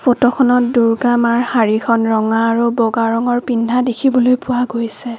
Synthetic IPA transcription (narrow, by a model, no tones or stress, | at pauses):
fotɔkʰɔnɔt̚duɹɡamaɹhaɹikʰɔnɹɔŋaːɹubɔɡaɹɔŋɔɹpindʱadekʰibɔlojpʊaɡojsɛ